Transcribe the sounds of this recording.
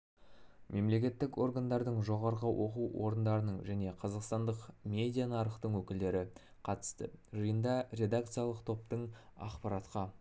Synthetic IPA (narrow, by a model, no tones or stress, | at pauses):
mʔe̞mle̞kʲe̞t̪ːɪko̞ɾɡand̪ɑɾd̪əɴʒo̞ʁɑɾʁəwʔo̞̰quwwo̞ɾənd̪ɑɾənəɴʒæne̞qʰɑzɑqst̪ɑnd̪əqmʲe̞d̪ʲijanɑɾəqt̪əɴwɵkʲɪld̪e̞ɾɪ | qʰɑt̪ə̥st̪ə̰ʒəjənd̪ɑɾʲe̞d̪ak̚t̪sɨjalˠəqt̪ʰo̞p̚t̪əɴɑ̰qpɑɾɑt̪qɑ